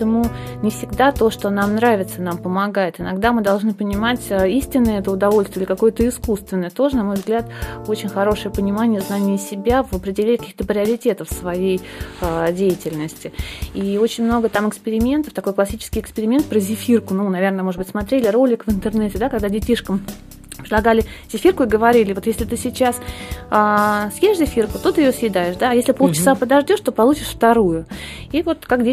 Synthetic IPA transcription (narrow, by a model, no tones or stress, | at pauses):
tɪmu | nʲɪfsʲɪɡd̪at̪o̞ʂt̪onamnɾavʲɪt̪sənampəmɐɡajɪt̪ɨnɐɡd̪amɨd̪ɐlˠʐnɨpənʲɪmatʲəisʲtʲɪnːəjəɛt̪əʊd̪ɐvo̞lʲst̪vʲɪiɪlʲɪkɐko̞jət̪əɪskust̪vʲɪnːəjət̪o̞ʐənɐmo̞jvzɡlʲat̪o̞t͡ɕɪnʲxɐɾo̞ʂɨjəpənʲɪmanʲɪjəznanʲɪːsʲɪbʲavɐpɾʲɪdʲɪlʲenʲɪkɐkʲi̥xt̪əpɾʲɪɐɾʲɪtʲe̞t̪əfsvɐjejədʲejɪtʲɪlʲnəsʲtʲɪio̞t͡ɕɪnʲmno̞ɡət̪amɨkspʲɪɾʲɪmʲe̞nt̪əft̪ɐko̞jklˠɐsʲit͡ɕɪ̥skʲɪjɪkspʲɪɾʲɪmʲe̞nt̪̚pɾəzʲɪfʲirkʊnunɐvʲe̞rnəmo̞ʐd̪bɨtʲsmɐt̪ɾʲelʲɪɾo̞lʲɪkvɨnt̪ɨrnɛtʲɪd̪akɐɡd̪adʲɪtʲiʂkəm | pɾʲɪd̪ˠɐɡalʲɪzʲɪfʲirkʊiɡəvɐɾʲilʲɪvot̪jesʲlʲɪt̪ɨsʲɪt͡ɕasasjeʂzʲɪfʲirkʊt̪o̞t̪ɨɪjosjɪd̪ajɪʂd̪aːjesʲlʲɪpot͡ɕɪsapəd̪ɐʐdʲo̞ʂt̪o̞pɐlˠut͡ɕɪʂft̪ɐɾujʊivo̞t̪kakdʲe